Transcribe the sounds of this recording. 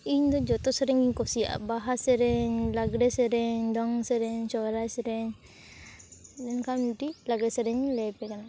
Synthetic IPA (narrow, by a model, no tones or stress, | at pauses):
iɲd̪ɔd͡ʒɔt̪ɔsɛɾɛŋiɲkɔsia̰baɦasɛɾɛɲlaɡɾɛsɛɾɛɲdɔŋsɛɾɛɲsɔɾasɛɾɛɲ | dɛnkamuʈilaɡɾɛsɛɾɛɲlɛpɛkana